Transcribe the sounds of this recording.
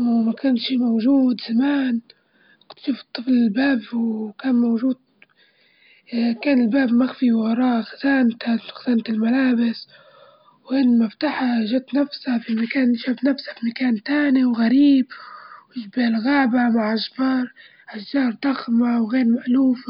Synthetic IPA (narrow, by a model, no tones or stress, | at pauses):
wmakaːnʃiːmowʒuːd̪zamaːn | t̪ʃuːft̪ˤːɨflɪlbaːbwkaːnmowʒuːd̪̚ | kaːnɪlbaːbmaɣfiwwɑɾˤɑːʔxazaːnt̪axaz̥aːnt̪ɪlmalaːbɪs | wʔɪnːmaft̪aːħaʒat̪nafsafimakaːnʃaːbnafsḁfimakaːnt̪aːniwɣaɾiːbwɪʒbeːlɣaːbamaʕʔaʒbɑːɾˤ | ʔaʃːɑːɾˤd̪̥ɑxmawɣeːɾmaʔluːf